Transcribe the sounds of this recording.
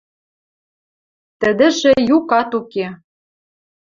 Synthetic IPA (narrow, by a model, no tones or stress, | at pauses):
t̪ə̆d̪ɘ̆ʒĕjukɑt̪uke